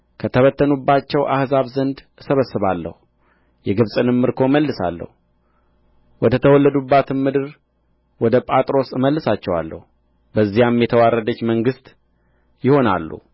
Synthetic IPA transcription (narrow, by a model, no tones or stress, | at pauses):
kʰət̪ʰəβət̪ʰːənubːat͡ʃːɛwʔa̰hzaβzənd̪ | səβəsːɨβalːə̰hu | jɛɡɨβsʼɨnɨmːɨɾkʰo̞məlːɨsa̰lːə̰hu | wɔd̪ət̪ʰəwɔlːəd̪ubːat̪ʰɨnmɨd̪ɨɾ | wɔd̪əpʼat̪ʼɾo̞sɨməlːɨsat͡ʃːɛwa̰lːə̰hu | bəzːijamjɛt̪ʰəwarːəd̪ət͡ʃːməŋɡɨst̪ | jɪho̞na̰lːṵ